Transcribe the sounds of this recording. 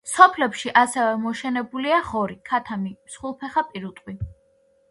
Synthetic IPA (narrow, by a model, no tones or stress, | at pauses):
sɔpʰlɛpʃiʔasɛvɛmɔʃɛnɛbuliaχɔɾikʰat̪ʰamimsχulˠpʰɛχapʼiɾut̪ʼqʼwi